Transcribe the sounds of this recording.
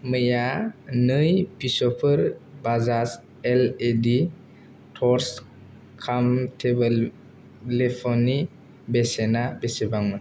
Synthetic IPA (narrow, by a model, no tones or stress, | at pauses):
mɯjanɯjpisɔpʰɯɾbazas | eledi | tʰɔɾs | kʰamtʰebel | lepʰɔni | besenabesebaŋmɯ